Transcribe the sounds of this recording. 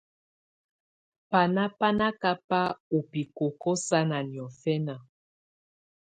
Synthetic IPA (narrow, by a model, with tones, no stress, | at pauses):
pa˨na˦pa˦na˦ka˦pa˦o˨pi˨ko˨kɔ˦sa˦na˨njɔ˨fɛ˦na˨